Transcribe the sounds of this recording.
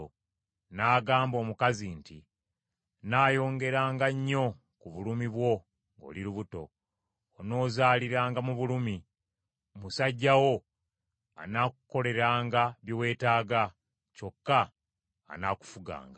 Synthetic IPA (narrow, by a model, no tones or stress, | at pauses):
naːɡaːmbo̞ːmukazinti | naːjo̞ːŋɡe̞ɾaːŋɡaɲːo̞ | kuβulumiβwo̞ | ŋɡo̞̰ːliɾuβuto̞ː | no̞ːzaːliɾaːŋɡamuβulumi | musaɟːawo̞ | a̰nakuko̞le̞ɾaːŋɡaβjowe̞ːtaːɡa | co̞kːa̰ː | naku̥fuɡa̰ːŋɡa